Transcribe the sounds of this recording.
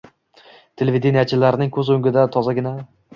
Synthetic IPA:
t̪ʰe̞levid̪enijat͡ʃʰɪlaɾɪnɪŋkʲʰɵzɵŋɡʲɪd̪at̪ʰɒzaɡʲɪna

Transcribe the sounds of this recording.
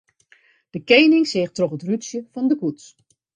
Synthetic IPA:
d̥əkejnɪŋseːxtroχətrytsjəfɔndəkuts

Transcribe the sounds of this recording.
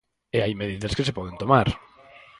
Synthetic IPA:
eajmeðiðɐskesepɔð̞ent̪omaɾ

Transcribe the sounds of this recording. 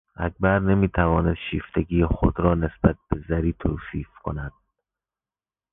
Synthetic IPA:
ʔæcʰbæɾnemiːt̪ʰævɒːnesd̪ʃiːft̪ʰeɡiːjexod̪ɾɒːne̞sb̥æt̪̚b̥ezæɾiːt̪ʰoːsiːfkʰo̰næd̪̥̚

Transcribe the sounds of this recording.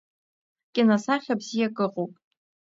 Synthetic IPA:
kʲʼɪnasaχʲabzijakʼɨqʼowpʼ

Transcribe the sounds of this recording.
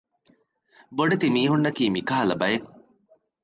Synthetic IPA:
boɖet̪imiːɦunːɐkiːmikaɦɐlɐbɐjen

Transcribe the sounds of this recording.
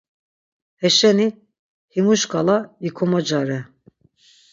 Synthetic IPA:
hɛʃɛni | himuʃkʰalajikʰɔmad͡ʒaɾɛ

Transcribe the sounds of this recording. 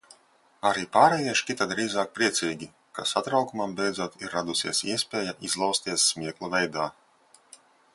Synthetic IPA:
aɾiːpaːɾɛjiɛʃkʲit̪ad̪ɾiːzaːk̚pɾiɛt̪siːɡʲi | kasat̪ɾawkumambʲɛjd̪zuɔt̪iɾːad̪usʲiɛsiɛsʲpʲeːjaʔizlˠawst̪iɛsːmʲiɛklˠuvʲɛjd̪aː

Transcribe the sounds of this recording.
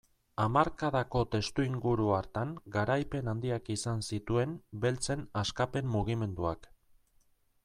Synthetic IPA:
amaɾkaðako̞t̪e̞st̪uiŋɡuɾuaɾt̪aŋɡaɾajpe̞nand̪iakisansit̪ue̞nbe̞lt͡se̞naskape̞mːuɣ̞ime̞nd̪uak

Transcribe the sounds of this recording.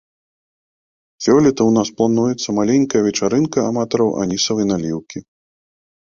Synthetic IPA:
sʲɔlʲɛt̪ɐwnasplˠanujɛt̪sːɐmalʲenʲkɐjɐvʲɛt͡ʂaɾɨnkɐːmat̪ɔɾɐwʔa̰nʲisɐvɐjnalʲiwkʲi

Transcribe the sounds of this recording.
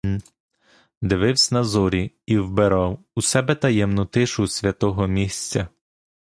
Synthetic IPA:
d̪ɪʋɪwsʲnɐzɔɾʲi | iwbeɾɑw | usɛbɛt̪ɐjɛmnɔt̪ɪʃʊsʲʋʲɐt̪ɔɦɔmʲisʲt͡sʲɐ

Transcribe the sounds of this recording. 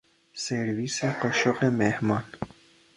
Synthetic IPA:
seɾviseqoʃoqemehmɑːn

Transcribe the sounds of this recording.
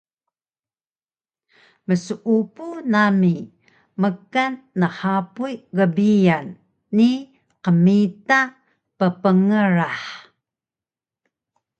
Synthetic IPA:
məsuʔupunami | məkanːəħapujɣəbijanː | i | qəmita | pəpəŋəɾaħ

